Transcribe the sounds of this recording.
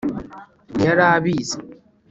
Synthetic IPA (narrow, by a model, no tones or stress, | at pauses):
jɐɽaːbiːs